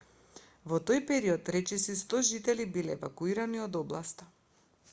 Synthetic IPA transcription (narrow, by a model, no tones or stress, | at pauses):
vɔt̪ojpɛɾiɔt̪ɾɛt͡ʃɛsist̪ɔʒit̪ɛlibilɛːvakuiɾaniɔd̪ɔblˠast̪a